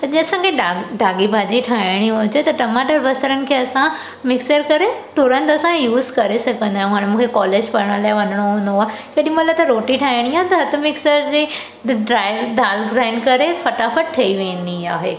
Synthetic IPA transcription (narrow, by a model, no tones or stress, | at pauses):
d͡ʑĩɐsãkʰeɖaɖʱaːɡibʱaːd͡ʑiʈʰaːɪɽ̃iɦʊd͡ʑet̪ɐʈɐmaːʈəɾbɐsəɾənɪ̆kʰeɐsã | mɪksəɾkɐɾeʈʊɾə̃nt̪ɐsãjuːzkɐɾesɐɡʱə̃nd̪aːɦẽɦaːɽ̃mũːkʰekɔːleːd͡ʑpɐɾəɽ̃ə̃laːɪʋɐnəɽ̃oɦũːnd̪oaːɦkɐɗĩmulat̪ɐɾoːʈiʈʰaːɪɽ̃iãːt̪ɐɦɐt̪əmɪksəɾd͡ʑeː | ɖɾaːɪɖaːlɡɾaːɪnkɐɾefɐʈafəʈ̚ʈʰɐiʋẽə̃nd̪iaːɦeː